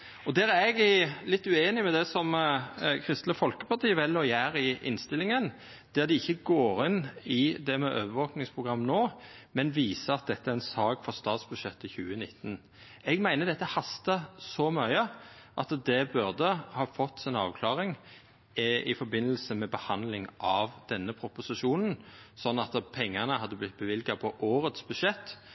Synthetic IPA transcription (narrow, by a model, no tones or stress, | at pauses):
ɔd̪æɾɛɡælɪt̪ːʉeːnɪmɛd̪ɛsɔmkʰɾɪst̪ləfɔlkəpɑʁt̪ʰiːəʋɛlːɔjæːɾɪʔɪ̰nst̪ɪlɪŋən | d̪̥æʁd̪ɪɪçːəɡoːɾɪnɪd̪ɛmɛʔøːʋəʋoːknɪŋspʰʁʊɡʁɑmːnoːmɛnʋiːsəɑt̪̚d̪ɛt̪ːəæɾʁɛnsɑːɡfɔʁst̪ɑːt̪sb̥ʉd̪ʃɛt̪ːəçʉːənɪt̪ːn | ɛɡmæɪnəd̪ɛt̪ːəhɑst̪ɑsɔmœʏəʔɑt̪d̪ɛbʉʁd̪əhɑːfɔt̪ːsɪnɑ̰ːʋkʰlɑːʁɪŋ | ɪ̰fɔɾbɪnːəl̩səmɛbəhɑnd̪lɪŋʔɑʋd̪̥ɛnːəpʰɾʊpʊsɪʂuːnn̩sɔnːɑt̪pʰɛŋːənəhɑd̪ːəblɪt̪̚bəʋɪlɡɑpʰɔʔoːɾət̪sbʉd̪ʂɛt̪ː